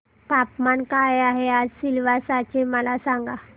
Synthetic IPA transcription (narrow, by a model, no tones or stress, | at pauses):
k̪apmankajaɦead͡zsilʋasat͡ɕeməlasãŋɡa